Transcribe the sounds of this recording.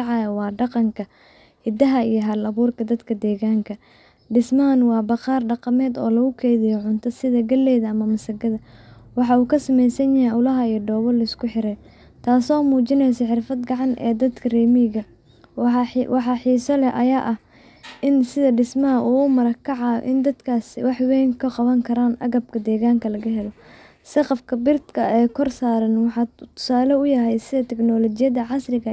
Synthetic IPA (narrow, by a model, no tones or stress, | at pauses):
ʕɑjɐwɑːɖɑqɑŋkʰɐ | hɪd̪ɐɦɐijɞɦɐlɐβuːrkʰɐd̪ɐd̪kʰɐd̪ɛːɣaːŋkʰɐ | ɖɪsmɐɐnwɑːbɑqɑːrɖɑqɑmɛːd̪ɔːlɐɣʊkʰɛjðɪjɔʕʊnt̪ʰɐsɪðɐɡɐlːɛːðɐɐmɐmɐsɐɡɐðɐwɑħɑuːkʰɐsɐmɛjsɐnjɐhijɐwlɐɦɐijɞɖɔːβɐlɐɪskʰʊħɪɾɛj | t̪ʰaːsɔːmuːt͡ʃɪnɛjsɐħɪrfɐd̪ɡɑʕɑnʔɛ̰ːd̪ɐd̪kʰɐrɛːmiɣɐ | wɑħɑħiːsɔlɛʔɐ̰jaːʔɐh | ɪnsɪðɐɖɪsmɐɦɐʔuːʊmɐɾɐkʰːɑʕɑ̰ʔɪnd̪ɐd̪kʰaːsɪwɑħwɛjŋkʰɐqɑβɐŋkʰɐɾaːnʔɐɣɐb̚kʰɐd̪ɛːɣaːŋkʰɐlɐɣɐɦɛlɔ | sɪqɑfkʰɐbɪrd̪kʰɐɛːkʰɔrsaːɾɐnwɑħɑt̪ʰʊ̥saːlɔʊjɐɦɛjsɪðɐt̪ʰɛknɔːlɔt͡ʃɪjɐðɐʕɑsrɪɣɐ